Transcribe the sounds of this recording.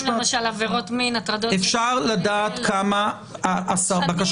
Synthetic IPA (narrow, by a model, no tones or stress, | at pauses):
lemaʃalaveʁo̞t̪minat̪ʁad̪oefʃaʁlad̪aːt̪kʰama | ʔasaʁbakaʃ